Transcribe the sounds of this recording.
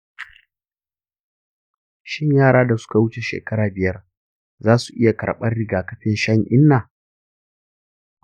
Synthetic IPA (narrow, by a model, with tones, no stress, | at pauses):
ʃɪ˦ɲjaː˦˨ɽaː˦da˨sʊ̥˦ka˨wʊ˦t͡ʃe˨ʃḛː˨kɐ˦ɽaː˨bɪ˨jɐ˦r | zaː˦su˨ʔɪ˦ja˨kɐ̰˨ɽɓɐ˦rɽɪ˦ɡaː˨kɐ˦ɸɪ˦nʃɐ˦ŋʔɪ˦nːaː˨